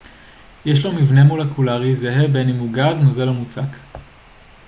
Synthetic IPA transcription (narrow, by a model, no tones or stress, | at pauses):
jeʃ̬lomivne̞molekulaʁizeɦebenimuɡaznozelomut͡sak